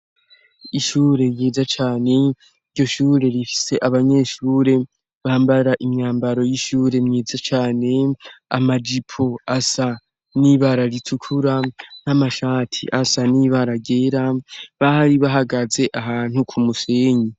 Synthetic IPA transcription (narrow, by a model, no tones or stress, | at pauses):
iʃuːɾe̞mjeːzat͡ʃaːne̞ | iɟo̞ʃuːɾe̞ɾifi̥se̞ʔaβaɲe̞ʃuːɾe̞ | βahaːmbaɾaʔimɲaːmbaɾo̞jiʃuːɾe̞mɲiːzat͡ʃaːne̞a̰mad͡ʒipʰo̞asa | niβaɾaɾitʰukʰuɾan̥hamaʃaːtʰḭʔasaniβaɾaɡeːɾaβahaɾiβaɦaɡaze̞ʔaɦaːn̥hukʰumuseːɲi